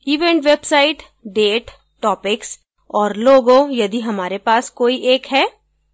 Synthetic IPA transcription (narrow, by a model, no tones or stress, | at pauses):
iːʋɛ̃ːɳʈʋeːbsaːɪʈ | ɖeːʈ | ʈɔːpɪks | ɔːɾloːɡõjɐd̪iɦɐmaːɾepaːskoːiʔeːkɦɛː